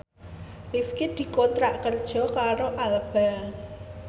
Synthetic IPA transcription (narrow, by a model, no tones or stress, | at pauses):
rifkid̪̥i̤kont̪ɾaʔkərd̥ʒ̥ɔ̤kaɾoʔaləb̥al